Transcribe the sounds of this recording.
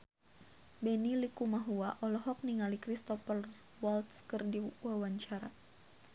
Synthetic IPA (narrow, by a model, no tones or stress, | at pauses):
bɛnilikumaɦuaʔɔlɔɦɔk̚niŋalikɾist̪ɔfər | walt̪skərdiwawaɲt͡ʃaɾa